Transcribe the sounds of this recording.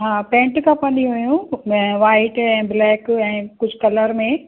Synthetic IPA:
ɦaːpɛ̃ːɳʈkʰãpɐnĩɦʊjũʋaːɪʈɛ̃ːblɛːkɛ̃ːkʊd͡ʑʱkɐləɾmẽ

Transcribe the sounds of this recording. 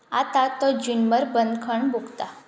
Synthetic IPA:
at̪at̪ɔd͡ʑunməɾbənd̪kʰəɳbʱuɡt̪a

